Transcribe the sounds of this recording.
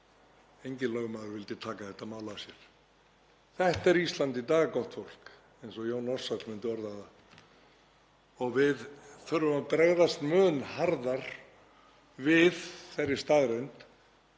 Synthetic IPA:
ejɲcɪnlœɣmaːðʏɾvɪlt̪ɪt̪ʰaːkaθɛht̪ːamaːwlasjɛɾ̥ | θɛht̪ɛɾist̪lant̪it̪aːɣakɔht̪fowl̥k | ejnsɔjoːwnɔr̥sat̪l̥mɪnt̪ɪɔɾðaða | ɔɣvɪðθœɾːʏmapɾɛɣðast̪mœːnhaɾðaɾ̥ | vɪðθɛrːɪ̥st̪aːðɾeɥnt̪

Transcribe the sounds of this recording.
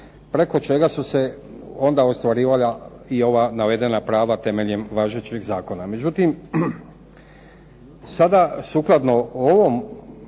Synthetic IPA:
pɾeko̞t͡ʃe̞ɡasuse̞ | o̞nd̪aost̪ʋaɾiːʋala | io̞ʋanaʋe̞d̪e̞napɾaːʋat̪e̞me̞ʎe̞mʋaːʒet͡ɕiɣzaːko̞name̞d͡ʑut̪im | sad̪asuklˠad̪no̞oʋo̞m

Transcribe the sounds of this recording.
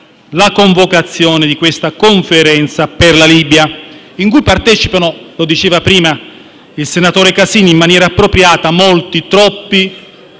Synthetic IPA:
lakoɱvokat̪sːjɔːnɪd̪ikwest̪akoɱfeɾɛnt̪saperlaliːbja | iŋkujpart̪ɛːt͡ʃipanolod̪it͡ʃeːvapɾiːma | ilsenat̪oːɾekasiːniimːanjɛːɾaːpːɾopɾjaːt̪amolt̪it̪ɾɔpːi

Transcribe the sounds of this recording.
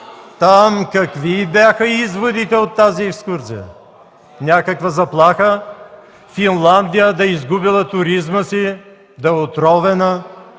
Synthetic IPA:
t̪amkɐkvibʲaxəizvod̪it̪ɛot̪ːaziɛkskuɾsḭjə̰ | nʲakəkvɐzɐplˠaxə | finlˠand̪ijəd̪ɐizɡubilˠɐt̪ʊɾizməsi | d̪ɐot̪ɾɔvɛnə

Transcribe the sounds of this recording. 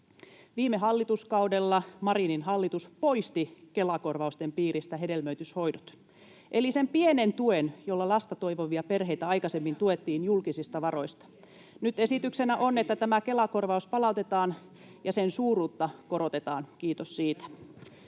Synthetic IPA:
ʋiːmːeɦɑlːit̪uskɑudelːɑmɑɾininɦɑlːit̪uspo̞ist̪ike̞lɑkorʋɑust̪empiːɾist̪æɦe̞de̞lmøyt̪ysho̞jdot̪ | ʔelisempienent̪uenjolːɑlɑst̪ɑt̪oiʋoʋiɑperɦe̞jt̪æɑjkɑsemːint̪uet̪ːiːnjulkisist̪ɑʋɑɾo̞ist̪ɑ̥ | nyt̪e̞sit̪yksenæʔo̞ne̞t̪ːæt̪æmæke̞lɑko̞rʋɑuspɑlɑut̪e̞t̪ɑːn | jɑsensuːruːt̪ːɑko̞ɾot̪et̪ɑːnkiːt̪osːiːt̪æ̥

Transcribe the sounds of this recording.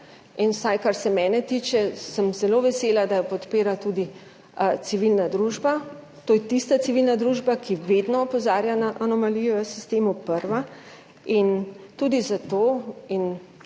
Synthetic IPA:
inwsajkaɾsɛmɛːnɛt̪it͡ʃɛsəmzɛloːʋɛselad̪ajɔpɔt̪peːɾat̪uːd̪i | siʋilnad̪ɾuʒba | t̪oːjɛt̪ist̪asiʋilnad̪ɾuːʒbakʰiʋed̪nɔːpɔzaːɾjanaʔanɔmalijɔsist̪eːmupəɾʋa | int̪uːd̪izat̪oːin

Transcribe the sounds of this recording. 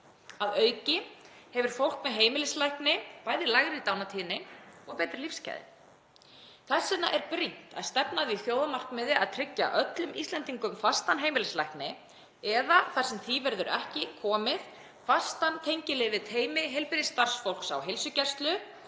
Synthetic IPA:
aðœːɥcɪ | hɛvʏɾ̥fowl̥kmɛðɦeːjmɪlɪslajhknɪpaːjðɪlaɣɾɪit̪aːwnat̪ʰiːnɪɔɣpɛːjt̪ɾɪlifsca̰jðɪ̰ | θɛsːɪna̰ʔɛɾpɾin̥t̪a̰ðst̪ɛpnaðiθjoːwðamar̥kmɪðɪa̰ðt̪ʰɾɪcːa̰ʔœt̪lʏmʔḭst̪lɛnt̪iŋkʏmfast̪anɦeːjmɪlɪslajhknɪ | ɛðaθar̥sɛmθivɛɾðʏɾɛ̰hcɪkʰɔːmɪð | fast̪ant̪ʰejɲcɪlɛːvɪt̪ʰeːjmɪɦɛjlpɪɾɪst̪ar̥sfowl̥ksa̰wɦelsʏcɛ̥st̪lʏ

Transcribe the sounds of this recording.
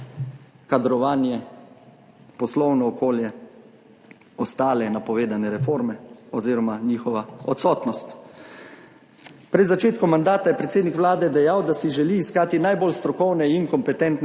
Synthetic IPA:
kad̪ɾɔʋaːnjɛ | pɔslɔwnɔːkoːljɛ | ɔst̪aːlɛnapɔʋeːd̪anɛɾɛfoːɾmɛɔziːɾɔmaniːxɔʋaɔt̪sɔːt̪nɔst̪ | pɾɛd̪zat͡ʃeːt̪kɔmːand̪aːt̪ajɛpɾɛt̪seːd̪nikʋlaːd̪ɛd̪ɛjawd̪asiʒɛliːskaːt̪inajboːlst̪ɾɔkɔwnɛiŋkɔmpɛt̪ɛnt̪n

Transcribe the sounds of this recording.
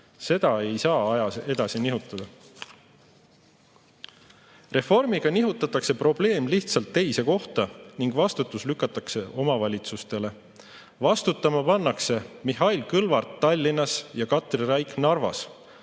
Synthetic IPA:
se̞d̪̥ɑe̞jsɑːɑjɑe̞d̪ɑsiniɦut̪ːˑɑd̪̥ɑ | re̞fo̞rmiɡ̥ɑniɦut̪ːˑɑt̪ːˑɑkse̞pro̞b̥le̞ːmliht̪sɑlt̪ːe̞jse̞ko̞ht̪ɑniŋɡ̥vɑst̪ut̪ːˑuslykːˑɑt̪ːˑɑkse̞o̞mɑvɑlʲit̪sust̪e̞le̞ | vɑst̪ut̪ːˑɑmɑpɑnːɑkse̞miɦɑilkɯlvɑrt̪ːɑlʲːinɑsjɑkɑt̪ˑrrɑjknɑrvɑ̰s

